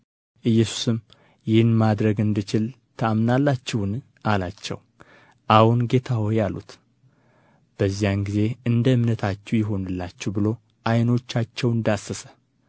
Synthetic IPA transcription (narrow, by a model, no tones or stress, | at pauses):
ʔɨjːɛsu̥sɨm | jɪhɨnmad̪ɾəɡɨnd̪ɨt͡ʃɪl | t̪ʰəamnalːat͡ʃːɪwn | ʔalat͡ʃːɛ̰w | ʔawunɡe̞t̪ʰaho̞jalṵt̪ | b̥əzːijanɡize̞ɨnd̪əɨmnət̪ʰat͡ʃːɛwjɪɦo̞nɨlːat͡ʃːɛwbɨlo̞ | ʔajno̞t͡ʃːat͡ʃːɛwɨnd̪asːəsə̥